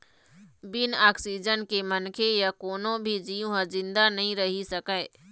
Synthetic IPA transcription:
bɪnaːksid͡ʒənkemənkʰejakoːnõbʱid͡ʒijũɦəzɪ̃nd̪anɐɦĩɾɐɦisɐkə

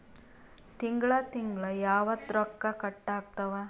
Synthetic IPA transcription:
t̪iŋɡɭɐt̪iŋɡɭɐjaːʋɐt̪ɾɔkːɐkɐʈːaːɡ̚t̪ɐʋa

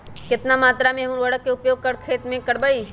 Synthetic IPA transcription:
kɪt̪namaːt̪ɾamẽɦɐmuɾwɐɽəkːeʊpjoːɡ̚kɐɽkʰeːt̪mẽkəɽbəi

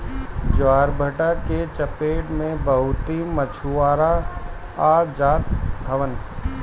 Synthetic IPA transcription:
d͡ʒʋaːɾbʱəʈaket͡ʃəpeːʈmẽbɐɦʊt̪imət͡ʃʰuaːɾa | aːd͡ʒaːt̪̚bʱɐʋən

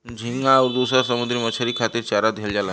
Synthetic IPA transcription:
d͡ʑʱiŋɡaʋɾd̪usɾaɾsəmud̪ɾiːmət͡ɕʰəɾiːkʰat̪iːɾt͡ɕaɾat̪̚ɡʱeld͡ʑala

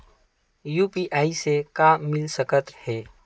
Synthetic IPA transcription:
juːpiʔaːisekamɪlsəkət̪hɛː

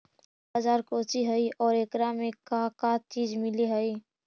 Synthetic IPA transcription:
bəd͡ʒaːɾkoːt͡ʃiɦəiʔɔːɾekɾamẽkakat͡ʃiːd͡ʒmɪliɦəi

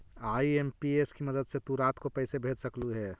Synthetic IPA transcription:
aːieːmpieskimɐd̪əd̪set̪uɾaːt̪kopɐɪsebʱeːd͡ʒsɐkluɦɛː

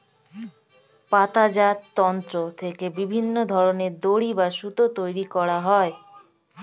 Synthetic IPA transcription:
pat̪ad͡ʑat̪ːɔnt̪ɾot̪ʰekebibʱinːod̪ʱɔɾoneɾd̪oɽibaʃut̪ot̪ojɾikɔɽaɦɔe

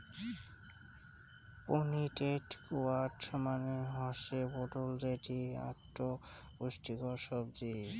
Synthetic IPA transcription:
poniʈeʈkuaɾʈʰmaneɦɔʃeboʈold̪eʈia̰ʈːo | uʃʈikɔʃɔbd̪i

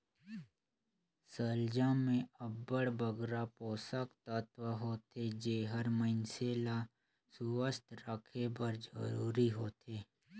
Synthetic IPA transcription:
səld͡ʒamẽəbəɽbəɡɾapoːsəkt̪ət̪ʋəɦoːt̪ed͡ʒeɦəɾməɪnseːla | suwəst̪ʰɾəkʰebəɾd͡ʒə̰ɾuːɾiɦoːt̪eː

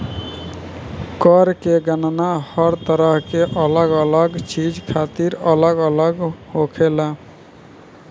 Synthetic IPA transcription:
kəɾkeɡənnahəɾt̪əɾəɦkeʔələɡələɡt͡ʃid͡ʒkʰat̪iɾələɡələɡhokʰela

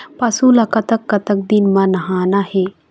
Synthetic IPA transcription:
pɐsũlɐkɐt̪ɐkːɐt̪ɐk̚d̪inmãnɐɦaːnaheː

